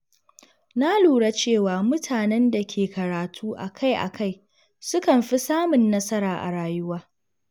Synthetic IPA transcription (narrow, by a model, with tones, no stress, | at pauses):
na˦luː˨ɽa˦t͡ʃeː˦˨waː˨mʊ˦tʰaː˨nɛ˦nda˨kʲʰeː˨kɐ˨ɾaː˨tʰuː˦ʔa˨kʰa˦jʔa̰˨kʰa˦˨j | sʊ˦kɐ˨mɸi˦saː˦mʊ˨nːɐ˦sɐ˦ɾaː˨ʔa̰˨ɽaː˨jʊ˦waː˦